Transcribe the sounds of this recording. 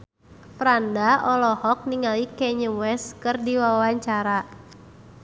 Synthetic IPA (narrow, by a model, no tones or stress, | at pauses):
fɾandaɔlɔhɔk̚niŋalikɛɲəwɛskɨrdiwawaɲt͡ʃaɾa